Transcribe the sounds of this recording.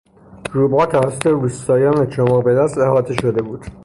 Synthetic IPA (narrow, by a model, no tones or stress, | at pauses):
ɾuːbɒːt̪ʰævæsot̪eɾuːst̪ɒːjɒːnet͡ʃʰomɒːʁbed̪æst̪ehɒːt̪ʰeʃod̪e̞buːd̪̥